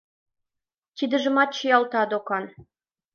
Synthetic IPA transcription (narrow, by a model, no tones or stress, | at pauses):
t̪ʲid̪ɘ̆ʒə̆mɑt̪̚t͡ɕĭjɑlt̪ɑd̪okɑn